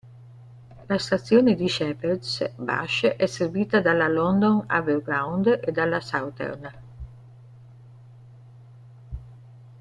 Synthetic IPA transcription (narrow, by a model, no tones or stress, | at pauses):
last̪at̪sːjoːned̪iʃɛpeɾd̪sba̰ʃʔɛserviːt̪ad̪alalɔnd̪ona̰velɡɾawnd̪ed̪alːasawt̪ɛ̰rna